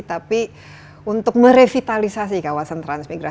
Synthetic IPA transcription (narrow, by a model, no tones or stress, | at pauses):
t̪api | unt̪ʊk̚məɾefit̪alisasikawasant̪ɾansmiɡɾa